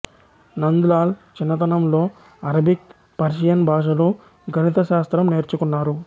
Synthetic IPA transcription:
nɐnd̪ulaːlt͡ʃinːɐt̪̬ɐnɐmlo̞ː | ɐɾɐbʱik̚ | pɐɾʃijɐnbʱaːʃ̬ɐloː | ɡʱɐnit̪ɐʃaːst̪ɾɐmne̞ːɾt͡ʃukunːaːɾu

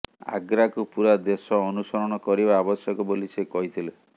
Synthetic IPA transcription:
a̰ɡɾakupuɾad̪esɔːnusɔɾɔɽ̃ɔkɔɾibaːbɔsjɔkɔbolisekɔɦit̪ʰile

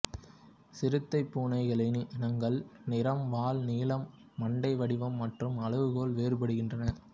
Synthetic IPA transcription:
sɪɾɯt̪ːɐɪpːuːnɐɪɣɐɭɪnnɐŋɡɐɭnɪɾɐmʋaːlniːlɐmː | ɐɳɖɐɪʋɐɽɪʋɐmːɐʈrɯmɐɭɯʋɯɣoːlʋeːɾɯpɐɽɯɣɪndrɐnɐ

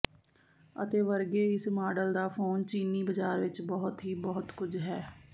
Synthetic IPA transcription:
ə̰t̪eːʋəɾɡeːɪsmaːɖəld̪aːpʰoːnt͡ʃiːniːbəd͡ʒaːɾʋɪt͡ʃbɔːʊt̪ɦiːbɔːʊt̪kʊd͡ʒɦɛː

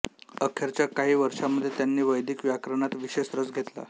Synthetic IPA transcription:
əkʰeɾt͡ɕjakaɦiːʋəɾʂaməd̪ʱjet̪janːiːʋəjd̪ʱiːkʋjakɾəɳat̪ʋiɕesɾəd͡zɡʱet̪la̰

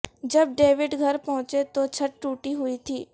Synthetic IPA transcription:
d͡ʒɐb̚ɖeːʋɪɖɡʱɐɾpɔɦʊ̃t͡ʃet̪ot͡ʃʰəʈ̚ːuːʈiɦʊit̪ʰiː

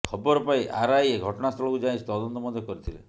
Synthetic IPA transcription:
kʰɔbɔɾɔpaĩʔa̰ɾajeɡʱɔʈɔɽ̃ast̪ʰɔlɔkud͡ʒaĩst̪ɔd̪ɔnt̪ɔmɔd̪ʱjɔkɔɾit̪ʰilḛ

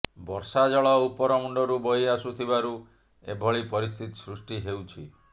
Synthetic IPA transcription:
bɔɾsad͡ʒɔɭɔupɔɾɔmuɳɖɔɾubojasut̪ʰibaɾu | ḛbʱɔɭipɔɾist̪ʰit̪i̥sɾusʈiɦewt͡ʃʰi

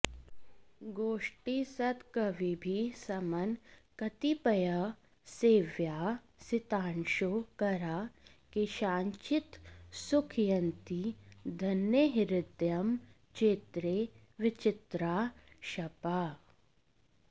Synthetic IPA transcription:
ɡoːʃʈisɐt̪kɐʋibʱisɐmɐnkɐt̪ipɐjɐ | seːʋjaː | sɪt̪aːnʃoːkɐɾaːkeʃãːɲt͡ʃɪt̪sʊkʰjɐnt̪id̪ʱɐnjəɦɪɾɪd̪jɐm | t͡ʃeːt̪ɾeː | ʋɪt͡ʃɪt̪ɾaː | ʃɐpaː

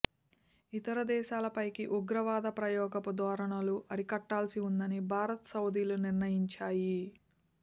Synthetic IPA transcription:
it̪ɐɾɐd̪ɛːʃaːlɐpɐjkiʔuɡɾɐʋaːd̪ɐpɾɐjɔːɡɐpud̪ɔːɾɐɳɐluʔɐɾikɐʈːaːlsiund̪ɐnibʱaːɾɐt̪ɐsɐwd̪iːluniɾnɐjiɲt͡ʃaːji

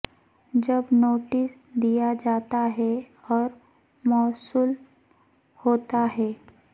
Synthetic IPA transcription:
d͡ʑəbnoʈis | d̪ijad͡ʒat̪aɦe | ɔɾ | mɔsuːl | hot̪aɦe

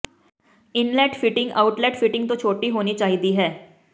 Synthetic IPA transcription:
ɪnlɛːʈfɪʈɪ̃ŋɡaːʊʈlɛːʈfɪʈɪ̃ŋɡ̚t̪ot͡ʃʰoːʈiɦoːnit͡ʃaːɦid̪iɦɛː

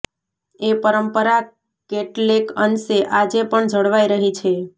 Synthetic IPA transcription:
epəɾəmpəɾa | keʈlekənseʔad͡ʒepəɳd͡ʒʱəɽʋaiɾəɦit͡ʃʰe

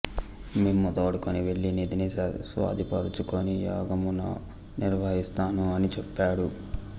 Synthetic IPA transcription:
meːmːɔd̪ɐːɽukoniʋe̞ɭːineːd̪inesʋa̰ːd̪ipɐɾut͡ʃukonija̰ːɡɐmunɐ | niɾʋɐɦist̪aːnuɐnit͡ʃepːaːɽu

